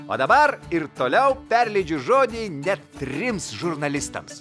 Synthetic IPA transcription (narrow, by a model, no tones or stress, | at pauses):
o̰ːd̪ɐbɐɾɪɾt̪oːlʲɛʊpʲɛɾʲlʲɛɪd͡ʒʲʊʒoːd̪ʲeːnʲɛt̪t̪ʲɾʲɪmsʒʊɾnɐlʲɪst̪ɐ̰ms